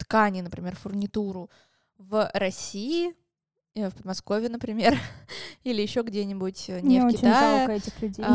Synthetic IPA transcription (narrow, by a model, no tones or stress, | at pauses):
t̪kanʲɪnəpɾʲɪmʲerfʊrnʲɪt̪uɾʊ | vɾɐsʲiɪ | əfpəd̪mɐsko̞vʲɪənəpɾʲɪmʲe̞rilʲɪjɪɕːo̞ɡdʲenʲɪbʊtʲənnʲɪfoɪt͡ɕɪajokəɛtʲɪxlʲʉdʲej